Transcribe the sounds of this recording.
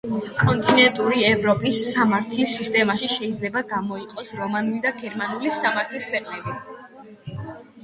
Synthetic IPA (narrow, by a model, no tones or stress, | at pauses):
kʼɔnt̪ʼinɛnt̪ʼuɾiɛvɾɔpʼisːamaɾt̪ʰlisːist̪ʼɛmaʃiʃɛid̪zlɛbaɡamɔiqʼɔsɾɔmanulid̪aɡɛɾmanulisamaɾt̪ʰlispʰwɛqʼnɛbi